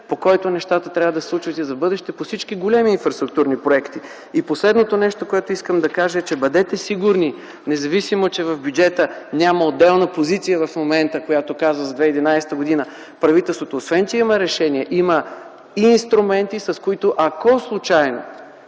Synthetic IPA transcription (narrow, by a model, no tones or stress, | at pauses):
pokɔjt̪onɛʃt̪at̪ət̪ɾʲavəd̪ɐsslˠut͡ʃvɐt̪ɛzɐbɤd̪ɛʃt̪ɛposit͡ʃkiɡolʲɛmiːnfɾɐst̪ɾʊk̚t̪uɾnipɾoɛkt̪i | iposlɛd̪not̪onɛʃt̪okoɛt̪oiskəmd̪ɐkaʒəɛt͡ʃɛbɐd̪ɛt̪ɛsiɡʊɾni | nɛzɐvisimot͡ʃɛvɐvbjud͡ʒɛt̪ənʲaməod̪ːɛlˠnəpozit̪sijəvɐfmomɛnt̪əkojat̪okazvəzɐd̪vɛid̪inajsɛ̥t̪əɡod̪inə | pɾɐvit̪ɛlˠst̪vot̪oːsvɛnt̪ʲiiməɾɛʃɛniɛʔimə | inst̪ɾumɛnt̪isɐskoit̪oʔɐkɔslˠut͡ʃajno̰